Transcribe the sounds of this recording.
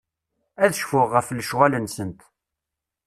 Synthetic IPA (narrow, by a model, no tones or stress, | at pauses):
æðəʃfʊʁːəflʃwælənsənt̪